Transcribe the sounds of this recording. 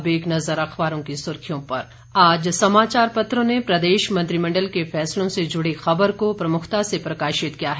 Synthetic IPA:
beːknɐzəɾɐxbaːɾõkisʊɾkʰijõpɐɾ | aːd͡ʒsɐmaːt͡ʃaːɾpɐt̪ɾõnepɾɐd̪eːʃmɐ̃nt̪ɾimɐ̃ɳɖəlkefɛːslõsed͡ʒʊɽexɐbəɾkopɾɐmʊkʰt̪asepɾɐkaːʃɪt̪kijaɦɛː

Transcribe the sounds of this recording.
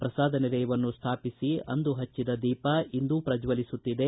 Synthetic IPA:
pɾɐsaːd̪ʱɐned̪ɛjʋɐnːust̪ʰaːpisiɐ̰nd̪uɦɐt͡ʃːid̪ɐd̪iːpɐind̪upɾɐd͡ʒʋɐlisut̪ːid̪e̞

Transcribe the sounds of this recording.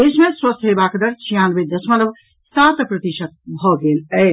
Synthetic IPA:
d̪esmẽswəst̪ʰɦebakd̪əɾt͡ʃʰijãnbed̪əsmələb | st̪at̪pɾət̪iʃət̪̚bʱɔɡelɛ

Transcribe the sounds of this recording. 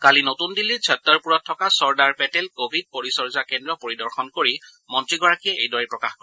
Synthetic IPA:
kalinotundilːisʰɛtːɔɹpuɹɔtʰːɔkasɔɹdaɹpɛtɛlkobʱid̚poɹisɔɹzakɛndɹɔpoɹidɔɹxɔnkoɹi | mɔntɹiɡɔɹakiɛḛjdɔɹɛpɹɔkaxkɔɹɛ

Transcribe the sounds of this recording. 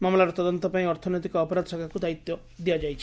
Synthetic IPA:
mamɔlaɾɔt̪ɔd̪ɔnt̪ɔpaĩɔɾt̪ʰɔnjt̪ikɔːpɔɾad̪ɔsakʰakud̪ait̪jɔ | d̪iad͡ʒajt͡ʃʰi̥

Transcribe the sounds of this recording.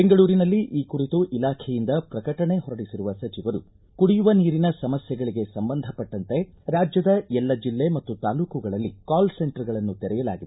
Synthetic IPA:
beŋɡɐɭuːɾinɐlːiʔiːkuɾit̪uʔilaːkʰɛjind̪ɐpɾɐkɐʈɐɳe̞ɦɔɾɐɽisiɾuʋɐsɐt͡ʃiʋɐɾṵ | kuɽijuʋɐniːɾinɐsɐmɐsjɛɡɐɭiɡe̞sɐmbɐnd̪ʱɐpɐʈːɐnt̪e̞ | ɾaːd͡ʒjɐd̪ɐɛlːɐd͡ʒilːe̞mɐt̪ːut̪aːluːkuɡɐɭɐlːikaːlse̞ɳʈɐɾɡɐɭɐnːut̪ɛɾɛjɐla̰ːɡid̪e

